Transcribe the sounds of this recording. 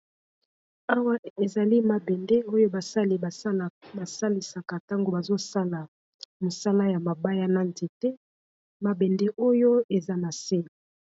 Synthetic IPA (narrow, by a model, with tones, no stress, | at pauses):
a˦wa˦e˨za˨li˦ma˦bɛ˨ndɛ˦o˦jo˦ba˨a˦˨˦ba˨sa˦li˨sa˨ka˨ta˦ŋɡo˨ba˨zo˦sa˦la˨ | mo˨sa˦la˦ja˨ma˨ba˦ja˦na˦nti˨tɛ˦ | ma˦bɛ˨ndɛ˦ʔo˦jo˦e˨za˦na˨se˦l